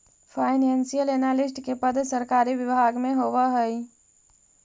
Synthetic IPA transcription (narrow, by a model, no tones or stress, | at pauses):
pʰaːɪnensijəlenaːlɪsʈkepəd̪səɾkaːɾiʋjəbʱaːɡmẽɦoːwaɦəi